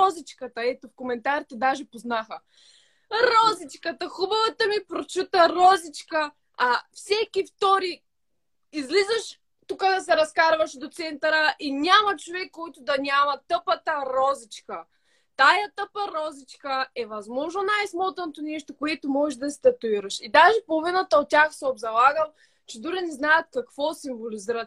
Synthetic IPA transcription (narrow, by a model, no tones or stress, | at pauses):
ɔzit͡ʃkət̪əɛt̪ofkomɛnt̪aɾit̪ɛd̪aʒɛpoznaxə | ɾɔzit͡ʃkət̪ɐxubɐvɐt̪əmipɾot͡ʃut̪əɾɔzit͡ʃkəː | fsɛkift̪ɔɾi | izlizəʃ | t̪ukəd̪ɐsɛɾɐskaɾvɐʃd̪ot̪sɛnt̪ɐɾəʔinʲamɐt͡ʃovɛkːɔjt̪ʊd̪ɐnʲamɐt̪əpət̪əɾɔzit͡ʃkə | t̪ajɐt̪əpəɾɔzit͡ʃkəɛvɐzmɔʒnonajsmɔt̪ɐnot̪onɛʃt̪okoɛt̪ʊmɔʒɛʒd̪ɐsʲt̪ɐt̪uiɾɐʃid̪aʒɛpolˠvinət̪əot̪̚tʲːaxsɛob̪zɐlˠaɡəm | t͡ʃɛd̪uɾinɛznajət̪̚kɐkv̥ɔsimvoliziɾət̪